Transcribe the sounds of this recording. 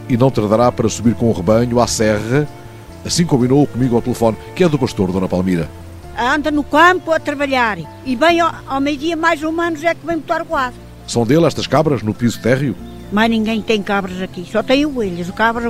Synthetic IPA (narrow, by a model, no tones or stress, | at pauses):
inɐ̃w̃t̪ɐɾðɐɾapɐɾɐsuβiɾkõuʁɨβɐɲuasɛʁɐ | ɐsĩkõmbinoukumiɣwawt̪ɨlˠɨfɔnkɛðupɐʃt̪oɾðonɐpalˠmiɾɐ̰ | ɐ̃nd̪ɐnukɐ̃mpuɐt̪ɾɐβɐʎaɾ | iβɐ̃j̃awmejuðiɐmajzumɐ̃nuzɛkvɐ̃j̃mut̪aɾɣwað | sɐ̃w̃d̪elˠɛʃt̪ɐʃkaβɾɐʒnupizut̪ɛʁju | maʒnĩŋɡɐ̃j̃t̪ẽj̃kaβɾɐzɐkisɔt̪ẽj̃ueʎɐzukaβɾɐ